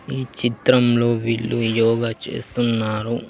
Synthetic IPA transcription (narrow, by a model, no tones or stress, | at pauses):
iːt͡ʃit̪ɾɐmlo̞ːʋiɭːujɔːɡat͡ʃḛːst̪unːaːɾu